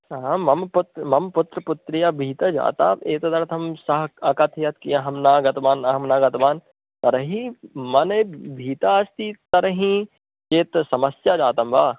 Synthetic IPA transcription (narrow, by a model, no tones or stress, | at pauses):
ɦamɐmpʊt̪ɾmɐmpʊt̪ɾəpʊt̪ɾijabʱiːt̪ɐd͡ʒa̰ːt̪a̰ːeːt̪ɐd̪ɐɾt̪ʰɐmsɐɦɐkat̪ʰijɐt̪kijaɦɐmnaːɡɐt̪ʋaːnɐɦɐmnaːɡɐt̪ʋaːn | t̪ɐɾɐɦĩmɐnebʱiːt̪aːst̪it̪ɐɾɐɦĩ | t͡ʃeːt̪sɐmɐsjad͡ʒaːt̪ɐmbaː